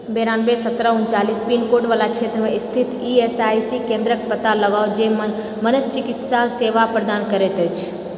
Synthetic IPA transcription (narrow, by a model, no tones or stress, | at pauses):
beɾaːnbesət̪ɾəunt͡ʃaːlispinkoːʈʋaːlat͡ʃʰet̪ɾəmẽɪst̪ʰɪt̪iesajsikẽnd̪ɾək̚pət̪aləɡaːod͡ʒe | mənəst͡ʃɪkɪt̪saseːʋapɾəd̪aːnkəɾet̪əjt͡ʃʰ